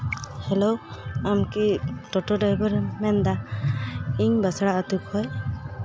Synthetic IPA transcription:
hɛlowamkiʈɔʈɔɖajbɔɾmɛnd̪a | iŋbasaɽaat̪up̚hɔj

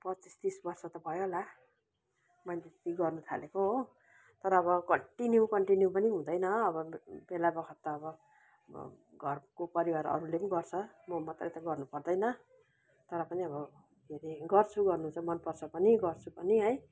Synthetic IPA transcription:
pʌt͡sist̪isbʌrsʌt̪ʌbʱʌjola | mʌjnt̪it̪iɡʌrnut̪ʰa̰lekoɦo | t̪ʌɾʌːβʌkʌɳʈinjukʌɳʈinjupʌniɦũd̪ʌjnʌːbʌbelabʌkʰʌt̪ːʌːbʌ̰ | ɡʱʌrkopʌɾiwaɾʌ̰ɾulepnɡʌrt͡sʰʌmʌmʌt̪rʌjt̪ʌɡʌrnupʌrd̪ʌjnʌ | t̪ʌɾʌpʌniʌβʌ | ɡʱeɾiɡʌrt͡sʰuɡʌrnut͡samʌnpʌrt͡sʰʌpʌniɡʌrt͡sʰupʌniɦʌj

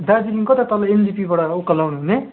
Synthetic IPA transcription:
d̪ad͡ziliŋkot̪at̪ʌlaendipibaɽaukːʌlawnuɦune

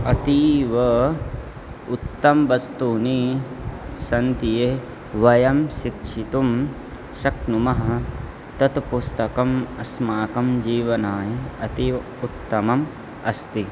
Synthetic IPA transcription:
ɐt̪iːʋɐ | ut̪ːɐmʋɐst̪uːni | sɐnt̪ije | ʋɐjɐmʃikʂʰit̪um | ʃɐknumɐɦɐ | t̪ɐt̪pust̪ɐkɐmɐsmaːkɐmd͡ʒiːʋɐnaːjiɐt̪iʋ | ut̪ːɐmɐm | ɐst̪i

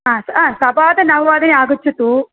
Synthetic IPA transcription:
aːsaːsɐbaːd̪ɐnɐɦɐʋaːd̪ɐneaːɡut͡ʃːɐt̪ːu

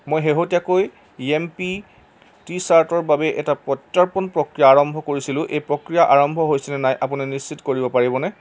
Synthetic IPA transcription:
mojɦeɦotiakoj | empi | tisaɹtɔɹbabɛʔɛtapɔtːaɹpɔnpɹokɹijaːɹɔmbʱɔkoɹisilʊ̃ʔejpɹokɹijaʔaɹɔmbʱɔɦojsɛnɛnajʔapuninisːitkoɹibɔpaɹibɔnɛ

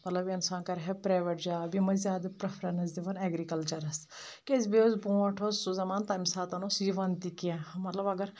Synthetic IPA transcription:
mɐt̪lɐbiɐnsãːnkɐɾɦɛpɾaːjʋəʈd͡ʒaːbimɐzʲaːd̪ɐpɾɐpʰɾɐnɐzd̪iʋɐnɛːɡɾikɐlt͡ʃɐɾɐskesbiozbũːɐʈʰosuzɐmaːnt̪aːjmsaːt̪ɐnosiʋɐnt̪ikiãmɐt̪lɐbɐɡəɾ

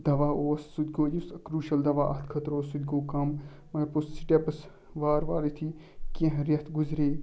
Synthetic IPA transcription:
d̪ɐʋaːoːsːud̪ɡoːjuskɾuːʃɐld̪ɐʋaːʔɐt̪kʰɐt̪ɾoːsud̪ɡoːkɐm | mɐɡɐɾpussiʈepɐs | ʋaːɾʋa̰ːlit̪ʰi | kẽɦɾɐt̪ɡuzɾeː

